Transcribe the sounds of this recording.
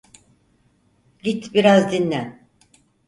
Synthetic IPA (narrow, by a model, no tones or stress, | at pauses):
ɟit̪biɾazd̪inːʲæn